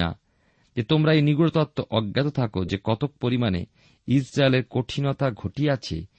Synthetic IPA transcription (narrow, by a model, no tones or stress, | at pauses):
a̰ | d͡ʑet̪omɾaeniɡuɽot̪at̪ːoʔɔɡːat̪ot̪ʰakod͡ʑekɔt̪ok̚poɾimanḛ | isɾaeleɾkoʈʰinɔt̪aɡʱoʈiat͡ɕʰḛ